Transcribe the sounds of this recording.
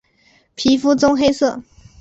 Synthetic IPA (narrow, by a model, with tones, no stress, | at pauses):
pʰi˧˥fu˥t͡sʊ˥ŋxe˥ɪsɤ˥˩